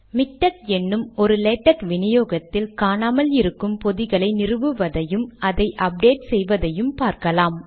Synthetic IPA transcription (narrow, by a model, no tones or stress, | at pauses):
mɪʈːɐkɛnːɯmɔɾɯlɛːʈːɐkʋɪnɪjoːɣɐt̪ːɪlkaːnaːmɐlɪɾɯkːɯmpɔðɪɣɐɭɐɪnɪrɯʋɯʋɐðɐjɯmɐðɐɪʔɐp̚ɖeːʈsɛjʋɐðɐjɯmpaːɾkɐlaːm